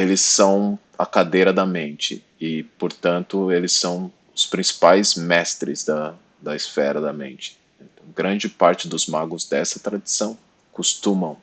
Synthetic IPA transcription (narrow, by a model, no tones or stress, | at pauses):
elɪsːɐ̃w̃ | ɐkad̪ejɾɐd̪ɐmẽnt͡ʃɪ̰ | ɪpoɾt̪ɐ̃nt̪ʊelɪsɐ̃w̃ | ʊspɾĩsi̥pajzmɛst̪ɾɪzd̪ɐ | d̪ɐɪsfɛɾɐd̪ɐmẽnt͡ʃɪ̥ | ẽt̪ɐ̃w̃ɡɾɐ̃nd͡ʒɪpaɾt͡ʃɪd̪ʊzmaɡʊzd̪ɛsɐt̪ɾad͡ʒisɐ̃w̃ | kust̪ũmɐ̃w̃